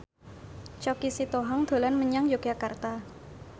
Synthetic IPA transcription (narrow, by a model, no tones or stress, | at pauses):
t͡ʃɔkisit̪oɦɔŋd̪̥o̤lanməɲaŋjoɡ̥akart̪a